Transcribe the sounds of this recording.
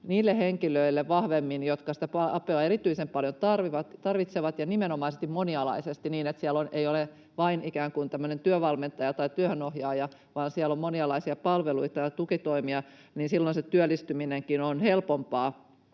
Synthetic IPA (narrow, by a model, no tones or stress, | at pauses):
niːlːeheŋkiløilːeʋʋɑhʋemːinjot̪kɑsi̥t̪æpɑɑpːˑeɑeɾit̪yisempɑljont̪ɑrʋiʋɑt̪t̪ɑrʋit̪seʋɑt̪jɑnimenomɑˑisest̪imoniɑlɑ̰isest̪iniːnet̪siæloneiole | ʋɑinikæːŋkunt̪æmːønent̪yøʋɑlment̪ɑjɑt̪ɑit̪yøhønohjɑːjɑ | ʋɑːnsiælomːoniɑlɑisiɑpɑlʋeluit̪ɑjɑt̪ukit̪oimiɑ | niːnsilːonset̪yølːˑist̪ymineŋkinonhelpompɑː